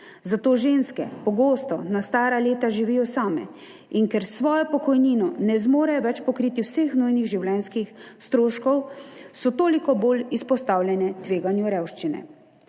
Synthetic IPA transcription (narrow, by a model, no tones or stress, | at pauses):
zat̪oːʒeːnskɛ̰pɔɡoːst̪ɔnast̪aːɾaleːt̪aʒiʋiːjɔsaːmɛ̰ | inkɛɾsʋɔːjɔpɔkɔjniːnɔnɛzmoːɾɛjɔʋɛt͡ʃpɔkɾiːt̪iwsexnujniɣʒiwlɛnskixst̪ɾoːʃkɔwsɔt̪oːlikɔboːlispɔst̪aːwlʲjɛnɛt̪ʋeːɡanjuɾɛwʃt͡ʃinɛ̰